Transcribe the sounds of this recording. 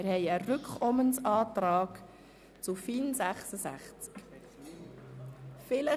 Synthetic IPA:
ɪɾhɛɪərʏkχɔmənsɑːtɾɑːk | t͡sufiːnsæχsəsæ̰χt͡sk | fɪlə

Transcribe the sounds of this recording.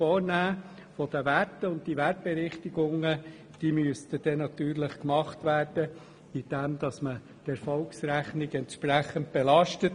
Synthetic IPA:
fɔːɾnæː | fɔd̥̪əʋætəʊnt̚tiʋæt̚b̥ɛɾɪχtiɡʊŋːə | d̥iːmyəst̪əd̥ɛnɑt̪yːrləχkmɑχtʋæːrd̥ə | id̥ɛmd̥̪ɑsmə | d̥ɛɾfɔlksɾæχnɪɡɛntʃpɾæχənt̚b̥elɑʃtət

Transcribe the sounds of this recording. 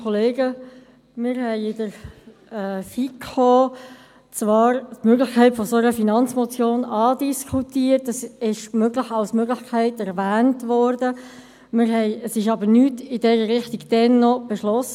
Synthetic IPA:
ɔleːɡə | mɪɾhɛɪɪdəɾː | fikoː | t͡svɑːɾtmøɡlɪxkʰæɪtfɔsoɾəfinɑnt͡smɔt͡sjoːnɑːdiskʰutiːəɾtɑsɪʃmøɡlɪχɑlsmøɡlɪçkʰæɪtɛɾvæːntʋɔɾdə | mɪɾhɛɪəsɪʃ̬ɑbəɾnyːtɪdɛɾəɾɪχtiɡd̥ɛnːɔb̥eʃlɔsə

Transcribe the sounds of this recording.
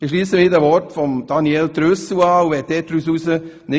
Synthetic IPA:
ɪʃ̬liːsəmiːdæʋɔɾtfɔmd̥ɑnieltɾøsuɑːuʋɛːd̥ɛːt̚tɾysusə | nɪ

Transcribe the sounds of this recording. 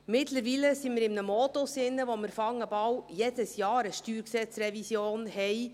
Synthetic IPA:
mɪtləɾʋiːləsimɪɾɪmnəmɔtʊsɪnːəʋoməɾfɑŋəbɑwjeːd̥əsjɑːɾəʃtyːɾksɛt͡srɛvisjoːnɦɛɪ

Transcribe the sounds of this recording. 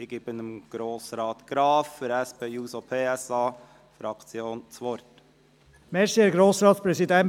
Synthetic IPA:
ɪɡ̥iːbənəmɡ̥ɾoːsɾɑːt̪ɡ̥ɾɑːffyɾɛspʰeːjuːsopʰeːɛsɑː | fɾɑkt͡sjoːnt͡sʋɔɾt | mɛɾsiɡɾoːsɾɑːt̪spɾɛsid̪ɛn

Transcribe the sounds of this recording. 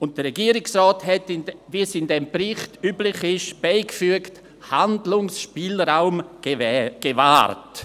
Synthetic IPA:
ʊnt̚d̥əɾɛɡiːəɾɪksrɔːthɛtɪnvisɪndɛmprɪχtyːblɪχɪʃb̥aɪkfyəkt | handlʊŋsʃpiːlɾaʊm | ɡ̥eva̰ːɾt

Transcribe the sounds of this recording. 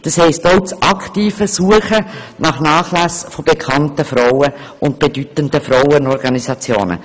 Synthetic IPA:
d̥ɑshɛɪstoʊt͡sʔɑktiːfəsuəχənɑχnɑːχlæsfob̥ekʰɑntəfɾaʊə | ʔʊnt̚b̥edytəndəfraʊənɔɾɡɑnisɑt͡sjo̰ːnə̰

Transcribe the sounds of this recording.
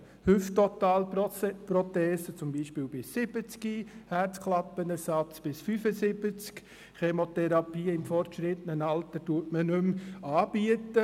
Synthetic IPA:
hʏft̪ɔt̪ɑːlprɔt̪ɛːsət͡sʊmbiːʃpɪːwbɪsːɪb̥ət͡skihæɾt͡skʰlɑpːənɛɾsɑt͡sb̥ɪsfyfəsɪbət͡sk | χemot̪ɛɾɑpiːɪmfɔrtʃɾɪt̪ənənɑlt̪ətuətmənʏmɑːb̥iətːə

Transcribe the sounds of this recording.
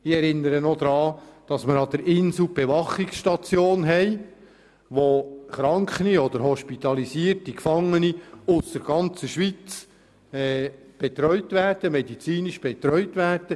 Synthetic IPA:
ɪɛɾɪnːəɾənod̪ɾɑːd̥ɑsməɾɑd̥̪əɾʔɪnsl̩b̥eʋɑχɪksʃtɑt͡sjoːnɦɛɪ | ʋoχɾɑŋkχəniɔd̪əɾɦɔʃpit̪ɑlisiːrtikfɑŋːəniʊsdəɾɡ̥ɑnt͡səʃʋit͡s | ɛːb̥et̪ɾœʏtʋæːrd̥əmɛdit͡siːniʃb̥ɛt̪ɾœʏtʋæːrd̥ə

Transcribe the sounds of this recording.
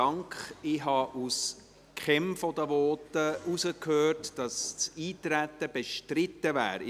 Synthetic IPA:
ɑŋkχɪɦɑʔus | kχɛmfɔd̪əʋɔːtəusəkhøːrtd̥ɑst͡siːtɾæt̪ːəb̥ɛʃtɾɪtːəvæ̰ːɾ

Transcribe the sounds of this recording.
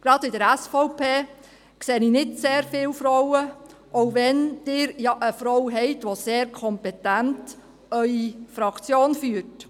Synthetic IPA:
ɡ̥ɾɑdɪdəɾæsfɔʊpʰeː | kseːninɪdseːɾfɪːlfɾɔwəʔoʊʋɛnd̥ɪːɾjɑʔəfɾɔwɦɛɪtʋoseːɾkʰɔmpɛtænt | œʏifɾɑkt͡sjoːnfyːəɾt

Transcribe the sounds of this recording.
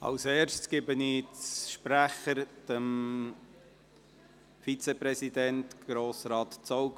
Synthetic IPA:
ɑ̰wseːɾʃskɪbənit͡sʃpɾæχəɾd̥əm | fit͡sɛpɾɛsidɛnt̪ɡ̥ɾoːsɾɑːt̪t͡sɔwɡ

